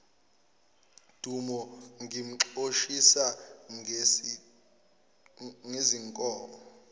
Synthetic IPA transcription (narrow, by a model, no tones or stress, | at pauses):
d̥ʱumɔŋʱim̩ǁoʃisa | ŋeziŋkʼɔːɔ